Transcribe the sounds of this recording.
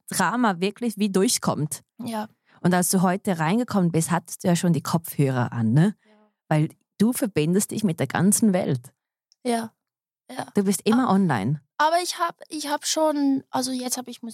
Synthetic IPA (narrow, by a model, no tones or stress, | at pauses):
d̥ʁaːmavɪɐkʰlɪçviːdʊɐçkʰɔ̰mt | jaː | ʔʊntalsd̥uːɦɔʏtəʁaɪnɡəkʰɔmənbɪsthatə̥std̥uːjaːʃoːndiːkʰɔp͡fhøːʁɐ̰ʔa̰nːə | vaɪl | d̥uːfɛɐbɪndəst̚d̥ɪçmɪt̚d̥eːɐɡ̥a̰nt͡sn̩vɛ̰lt | jaː | jaːd̥uːbɪstʔɪmɐʔɔnla̰ɪnʔaːbɐɪçhaːbəɪçhaːbə̥ʃoːnʔalzojɛt͡sthaːbɪçmʊ